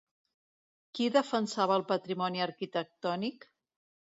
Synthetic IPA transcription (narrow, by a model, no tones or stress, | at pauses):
kiðəfənsaβəːlˠpət̪ɾimɔniəɾkit̪ək̚t̪ɔnik